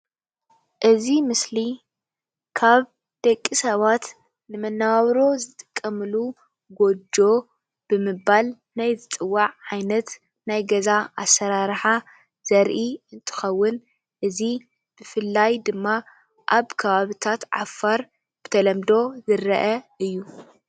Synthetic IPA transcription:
ʔɨzimɨsli | kʰaβ | d̪̥ɐkʼːisɐβat̪ | nɨmɐnːaβaβɾo̞zɨt̪ʼɨ̥kʼːɐmɨlu | ɡo̞d͡ʒo̞ | b̥ɨmɨβːal | najzɨt̪ʼɨwːaʕːajnɐt̪ | najɡɐzaʔasːɐɾaɾħa | z̥ɐɾʔiɨnt̪ʰɨ̥xɐwːʊn | ʔɨzi | b̥ɨfɨlːajd̪ɨmːa | ʔaβkʰɐβaβit̪ʰat̪ʕa̰fːaɾ | b̥ɨt̪ʰɐlɐmd̪o̞zɨɾɐ̰ʔɐɨjːu

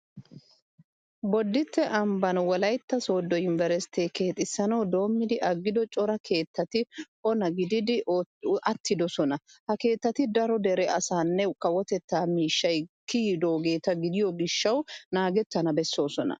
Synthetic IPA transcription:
bɔd̪ːɪt̪ːɛʔɐmbɐnwɔlɐjt̪ːɐso̞ːd̪ːɔjʊnvɛɾɛst̪eːke̞ːt̪ʼɪsːɐnɐwd̪o̞ːmːɪd̪ɪʔɐɡːɪd̪ɔt͡ʃʼɔɾɐkʰe̞ːt̪ːɐt̪ɪ | ɔnɐɡɪd̪ɪd̪ɪʔɐt̪ːɪd̪ɔsɔnɐhɐke̞ːt̪ːɐt̪ɪd̪ɐɾɔd̪ɛɾɛʔɐsaːnːɛkʼɐwɔt̪ɛt̪ːaːmiːʃːɐjkːid̪o̞ːɡe̞ːt̪ɐɡɪd̪ɪjɔɡɪʃːɐwnaːɡɛt̪ːɐnɐbɛsːo̞ːsɔnɐ̰

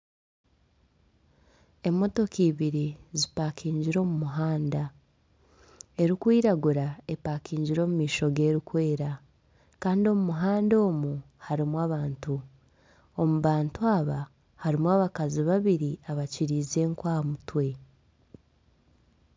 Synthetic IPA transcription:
e̞mːo̞to̞kiːβiɾizipaːkiːɲɟiɾo̞ːmumuɦaːnda | e̞ɾikwiːɾaɡuɾae̞paːkiːɲɟiɾo̞ːmumiːʃo̞ɡe̞ɾikwe̞ːɾa | kaːndio̞mumuɦaːndo̞ːmu | haɾimwaːβaːntu | o̞muβaːntuaβa | haɾimwaːβakaziβaβiɾiaβaciɾiːze̞ːŋkwaːmutwe̞

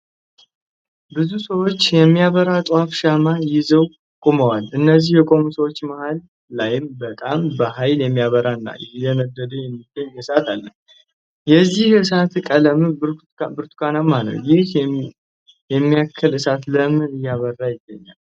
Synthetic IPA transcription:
bɨzusəwo̞t͡ʃːjɛmːijaβəɾat̪ʼwafʃamajɪzəw | kʼoməwalɨnːəzihjɛkʼo̞musəwo̞t͡ʃːmahalː | ajɪmbət̪ʼambəɦajljɛmːijaβəɾaɨnːa̰jɛlənəd̪ːəd̪əjɛmːiɡəɲːɨsat̪alːəh | jɛzːihɨs̬at̪kʼələm | bɨɾt̪ʰu̥kʰanamanə̰wjɪh | jɛmːijakʰːəlɨsat̪ləmɨɨjːaβərːajɪɡəɲːa̰l

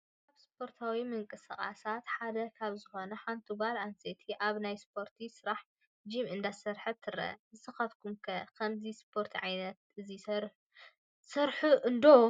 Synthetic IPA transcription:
kaβspʰo̞ɾt̪ʰawimɨŋkʼɨsɐχʼa̰sat̪ħad̪ɐkʰaβzɨxo̞nɐħant̪ʰuɡalanset̪ʰiʔaβnajspʰo̞ɾt̪ʰisɨɾaħ | d͡ʒimʔɨnd̪asɐɾħɐt̪ʰːɨɾɐ̰zɨsɐxɐfkʰumkʰɐkʰɐmzispʰo̞ɾt̪ʰiʕajnɐt̪ɨzi | sɐɾħuʔɨnd̪o

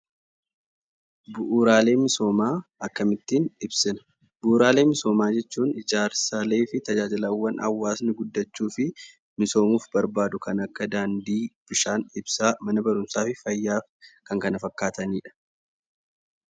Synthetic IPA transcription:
bʊʔuɾaːle̞ːmɪso̞ːmaːɐkːɐmɪt̪ːiːnɪbsɪnɐ̥ | buːɾaːle̞ːmɪso̞ːmaːd͡ʒɛt͡ʃːuːnɪd͡ʒaːɾsaleːfɪt̪ɐd͡ʒaːd͡ʒɪlɐwːɐnʔɐ̰wːaːsnɪɡʊd̪ːɐt͡ʃːuːfɪ | mɪso̞ːmuːfbɐɾbaːd̪ʊkʰɐnɐkːɐd̪aːnd̪iːb̥ɪʃaːnɪbsaːmɐnɐbɐɾʊmsaːfɪfɐjːaːfkɐŋkɐnɐfɐkːaːt̪ɐniːᶑɐ̥

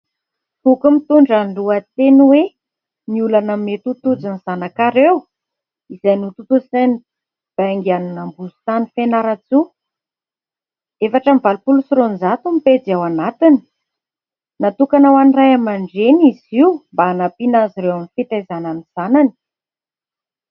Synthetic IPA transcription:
fukumit̪uɳɖ͡ʐanluat̪enwe | niulanəmet̪ut̪ud͡ziniz̥anakaɾew | izajnut̪ut̪uzani | b̥aŋɡianunambuzu̥t̪anifenaɾat͡su | efaʈ͡ʂəmivalupulusiɾonzat̪umiped͡zawanat̪ini̥ | nat̪ukanawanirajamaɳɖ͡ʐeniziwmbaːnapinaziɾewamifit̪ezananiz̥anani̥

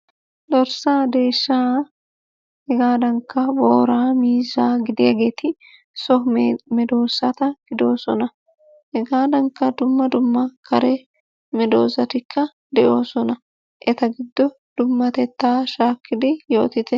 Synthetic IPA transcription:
d̪ɔɾsaːd̪e̞ːʃːaː | hɛɡaːd̪ɐŋkːɐboːɾaːmiːzaːɡɪd̪ɪjɐɡeːt̪ɪ | sɔmɛd̪o̞ːsɐt̪ɐɡ̥ɪd̪oːsɔnɐ | hɛɡaːd̪ɐŋkːɐd̪ʊmːɐd̪ʊmːɐkʰɐɾɛ | mɛd̪o̞ːzɐt̪ɪkʰːɐ | d̪ɛʔo̞ːsɔnɐ | ʔɛt̪ɐɡɪd̪ːɔ | d̪̥ʊmːɐt̪ɛt̪ːaːʃaːkːɪd̪ɪjo̞ːt̪ɪt̪ɛ

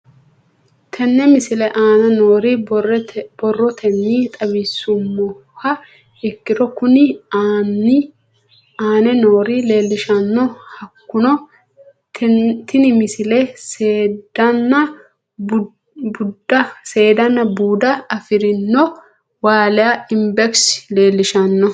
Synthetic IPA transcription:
t̪ʰɛnːɛmɪsɪlɛʔaːnɐnoːɾi | bɔrːɔt̪ʰɛnːiːt̪ʼɐβisːʊmːɔ | hɐ | ɛkːɪɾɔkʊnɪ | aːnɛnoːɾile̞ːlːɪʃɐnːɔhɐkːʊnɔ | t̪ɪnɪmɪsɪlɛseːd̪ɐnːɐ | bʊd̪ɐse̞ːd̪ɐnːɐbuːd̪ɐɐfɪɾɪnːɔ | waːlɛjɐɪmbɛksle̞ːlːɪʃɐnːɔ

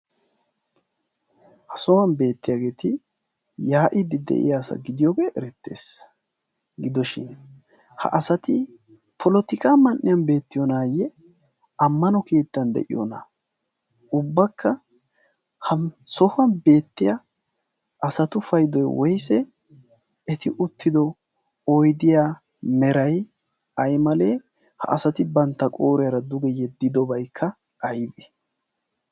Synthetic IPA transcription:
hɐsɔwɐnbe̞ːt̪ːɪjaɡe̞ːt̪ɪ | jaːʔɪd̪ɪd̪ɛ̰ʔɪ̰jaːsɐ̰ɡɪd̪ɪjoːɡeʔɛɾɛt̪ːḛːs | ɡɪd̪ɔʃɪ̰n | hɐ̰ʔɐsɐt̪ɪ | pʰɔlɔt̪ɪkʼaːmɐnːɪjɐnbe̞ːt̪ːɪjɔnaːjɛ | ɐmːɐnɔkeːt̪ːɐnd̪ɛ̰ʔɪjɔ̰na̰ | ʊbːɐkʰːɐ | hɐsɔfɐnbe̞ːt̪ːɪjɐ | ɐsɐt̪ʊfɐjd̪ɔjwɔjsɛ | ɛt̪ɪʔʊt̪ːɪd̪ɔ | ɔjd̪ɪjaː | mɛɾɐj | ɐjmɐle̞ː | hɐ̰ʔɐsɐt̪ɪbɐnt̪ːɐkʼoːɾɛjɐɾɐd̪ʊɡɛjɛd̪ːɪd̪ɔbɐjkʰːɐ | ɐjbe

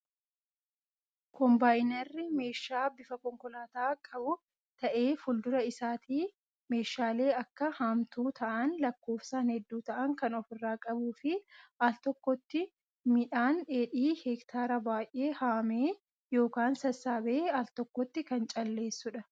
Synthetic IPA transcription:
kɔmbaːjnɐrːɪme̞ːʃaːbɪfɐkɔŋkɔlaːt̪aːkʼɐbʊ | t̪ɐʔe̞ːfʊld̪ʊɾɐɪsaːt̪iː | me̞ːʃaːle̞ːɐkːɐhamt̪uːt̪ɐʔɐnlɐkːo̞ːfsaːnhɛd̪ːuːt̪ɐʔɐŋkɐnɔfɪrːaːkʼɐbuːfɪʔalt̪ɔkːɔt̪ːɪ | mɪᶑaːnᶑe̞ːᶑiːhɛkt̪ʰaːɾɐbaːjʔʔe̞ːhaːmeː | jo̞ːkaːnsɐsːaːbeːalt̪ɔkːɔt̪ːɪkɐnt͡ʃʼɐlːe̞ːsːʊᶑɐ

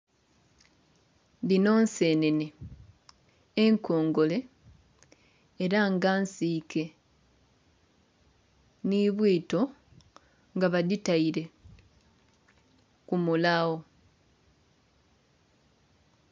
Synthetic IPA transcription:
dino̞ːnse̞ːnene | eŋkʰo̞ːŋɡo̞le̞ | ɾaŋɡaːnsiːkʰe̞ | niβwiːto̞ | ŋɡaβaditaiɾe̞ | kumulawo̞

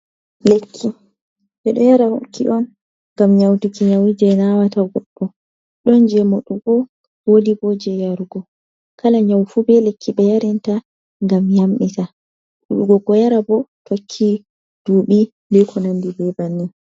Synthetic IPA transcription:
lekʰːi | ɓɛɗɔjaɾaho̰kʰːiʔɔn | ŋɡamɲawtikiɲawid͡ʒɛnawataɡɔɓːɔ | ɗɔnd͡ʒɛmoɗuɡɔ | wodibɔd͡ʒɛjaɾuɡɔ | kʰalaɲawfubɛlekːiɓɛjaɾɛnta | ŋɡamjamɓita | ɗuɗuɡɔɡɔjaɾabɔtokʰːi | d̥uːɓi | lɛkʰɔnandibɛbanːi

